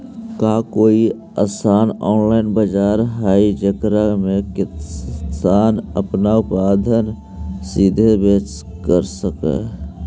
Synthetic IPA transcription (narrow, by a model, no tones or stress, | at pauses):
kaːkoːi | aːsaːnɔːnlaːɪnbəd͡ʒaːɾɦaːid͡ʒəkɾamẽkɪsaːnə̰pnaʊpaːd̪ʱən | sid̪ʱebeːt͡ʃ | kəɾsəkḛ